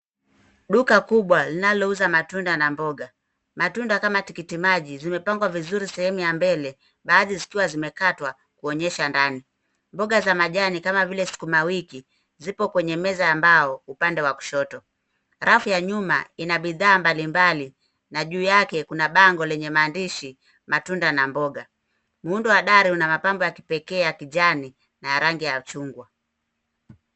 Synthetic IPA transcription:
ɗukakuɓwalinalɔuzamatundanambɔɡa | matundakamatikitimaʄizimɛpaŋɡwavizuɾisɛhɛmujambɛlɛ | ɓaːðizikiwazimɛkatwa | kuɔɲɛʃandani | mbɔɡazamaʄanikamavilɛsi̥kumawiki | zipɔkwɛɲɛmɛzaambaɔupandɛwaku̥ʃɔtɔ | ɾafujaɲuma̰inaɓiðaːmbalimbali | naʄuːjakɛkunaɓaŋɡɔlɛɲɛmaːndiʃi | matundanambɔɡa | muundɔwaɗaɾihunamapambɔjaki̥pɛkɛːjakiʄani | najaɾaŋɡijat͡ʃuŋɡwa

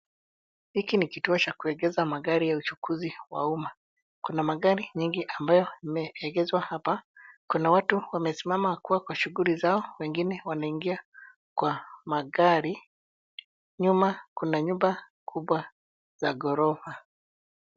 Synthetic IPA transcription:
hikinikituɔt͡ʃakuɛɠɛzamaɡaɾijaut͡ʃukʰuziwa̰uma | kunamaɠaɾiɲiŋɡiʔambajɔimɛɛɡɛzwahapakunawatuwamɛsimamakuwakwaʃuɣulizaɔwɛŋɡinɛwanaiŋɡia | kwamaɡaɾi | ɲumakunaɲuba | kʰuɓwa | z̥aɡɔɾɔha

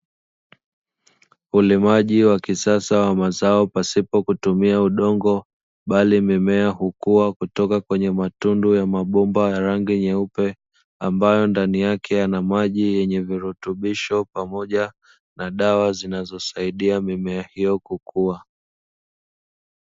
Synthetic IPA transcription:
ulimaʄiwakisasawamazaɔpasipɔkutumiauɗɔŋɡɔ | ɓalimimɛahukuwakutɔkakwɛɲɛmatundujamaɓumbajaɾaŋɡiɲɛupɛ | ambajɔndanijakʰɛjanamaʄijɛɲɛviɾutuɓiʃɔpamɔʄa | naɗawazinazɔsaiɗiamimɛahijɔkukʰua

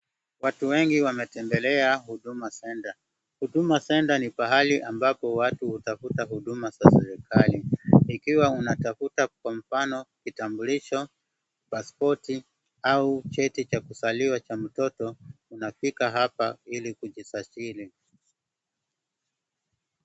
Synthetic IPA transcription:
watuwɛŋɡiwamɛtɛmbɛlɛahuɗumasɛnda | huɗumasɛndanipaɦaliʔambapɔwatuhutafutaɦuɗumasasɛɾɛkʰaliikiwaunatafutakwam̩fanɔkitambuliʃɔ | paspɔti | aut͡ʃɛtit͡ʃakusaliwat͡ʃam̩tɔtɔunafikaɦapailikuʄisat͡ʃili

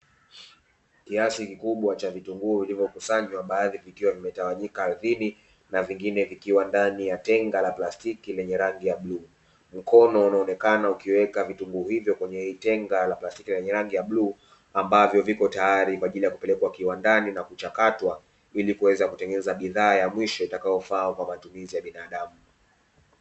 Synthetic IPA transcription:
kiasikikuɓwat͡ʃavituŋɡuːvilivjɔkusaɲwaɓaːðivikiwavimɛtawaɲikaːðini | naviŋɡinɛvikiwandanijatɛŋɡalaplastikilɛɲɛɾaŋɡijaɓluː | m̩kʰɔnɔunaɔnɛkanaukiwɛkavituŋɡuhivjɔkwɛɲɛhiːtɛŋɡalaplasti̥kilɛɲɛɾaŋɡijaɓluː | ambavjɔvikɔtajaɾikwaːʄilijaku̥pɛlɛkwakiwandaninakut͡ʃakatwa | ilikuwɛzakutɛŋɡɛnɛzaɓiðaːjamwiʃɔitakajɔfakwamatumizijaɓinaːɗamu

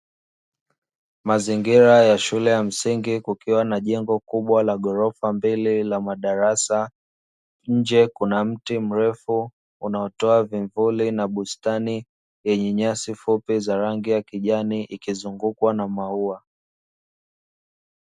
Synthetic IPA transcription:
maziŋɡiɾajaʃulɛjam̩siŋɡikukiwanaʄɛŋɡɔkuɓwalaɠɔɾɔfambililamaɗaɾasa | ɲ̩d͡ʒɛkunam̩tim̩ɾɛfu | unaɔtɔaviɱvulinaɓustani | jɛɲɛɲasifupizaɾaŋɡijakiʄaniʔikizuŋɡukwanamaua

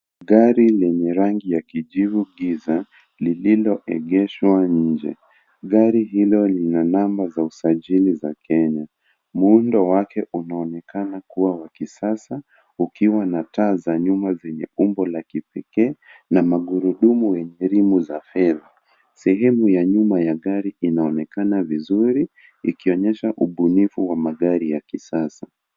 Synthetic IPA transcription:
ɠaɾilɛɲɛɾaŋɡijakiʄivuɠiza | lililɔʔɛɠɛʃwaɲ̩d͡ʒɛ̰ | ɠaɾiɦilɔlinanambazausaʄilizakʰɛɲa | muundɔwakʰɛʔunaɔnɛkanakuwawakisasa | ukiwanataːzaɲumazɛɲɛ̰umbɔlakipɛkɛːnamaɠuɾuɗumuwɛɲɛɾimuzafɛða | sɛɦɛmujaɲumajaɠaɾiinaɔnɛkanavizuɾi | ikiɔɲɛʃaʔuɓunifuwamaɠaɾijakisasa

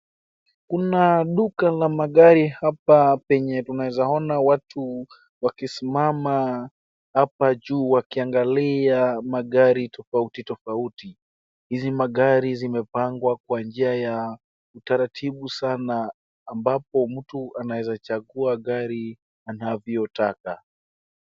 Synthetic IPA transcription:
kunaɗukalamaɠaɾihapapɛɲɛtunawɛzaɔnawatʰu | wakisimama | hapaʄuːwakiaŋɡaliamaɠaɾitʰɔfautitɔfauti | hizimaɠaɾizimɛpaŋɡwak̚wand͡ʒiaja | utaɾatʰiɓusanaː | mbap̚ɔm̩tuʔanawɛzat͡ʃaɠuaɠaɾi | anavɔtaka

